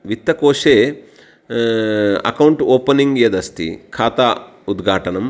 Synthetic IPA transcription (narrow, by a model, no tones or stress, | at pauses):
ʋit̪ːɐkoːʂeː | ɐ̰kɐwɳʈoːpɐniŋɡjɐd̪ɐst̪ḭkʰaːt̪aː | ud̪ɡʱaːʈɐnɐm